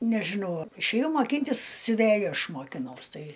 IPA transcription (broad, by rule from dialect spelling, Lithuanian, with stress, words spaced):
nʲɛʒʲɪˈnɐʊ ɪʃʲeːˈjɛʊ mɐˈkʲiːnʲtʲɪs sʲʊˈʋʲeːjʊ ˈɐʃ moːkʲɪˈnɐʊs ˈtɐɪ